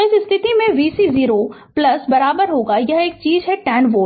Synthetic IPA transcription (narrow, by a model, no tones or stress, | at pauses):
ɪsɪst̪ʰɪt̪imẽʋiːsiziːɾoplɐsbɐɾaːbəɾɦoːɡajɐɦeːk̚t͡ʃiːzɦɛʈɛːnʋoː